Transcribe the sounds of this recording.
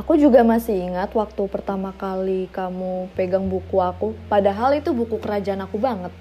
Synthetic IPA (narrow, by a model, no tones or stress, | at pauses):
akud͡ʒuɡamasiiŋat̪wak̚t̪upərt̪amakalikamupeɡaŋbukuakupadaɦalit̪ubukukəɾad͡ʒaanakubaŋət̪̚